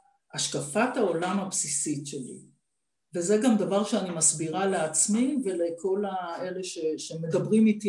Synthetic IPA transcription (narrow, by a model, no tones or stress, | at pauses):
ʔaʃkafat̪hao̞lamhapsisitʃelḭ | veze̞ɡamd̪avaʁʃeanimasbiʁaleat͡smive̞lekʰo̞lae̞le̞ʃe̞ʃeme̞d̪abʁimit̪i